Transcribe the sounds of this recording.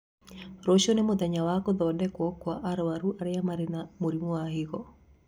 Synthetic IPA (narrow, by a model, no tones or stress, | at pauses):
ɾoʃonemod̪ɛɲawakɔðɔdɛkwɔkwaʔaɾwaɾuʔaɾɪjamaɾnamoɾimoahɪɣɔ